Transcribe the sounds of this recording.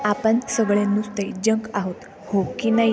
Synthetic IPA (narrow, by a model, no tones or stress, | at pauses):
apənsəɡɭenust̪ed͡ʑəŋkaɦot̪ | hokina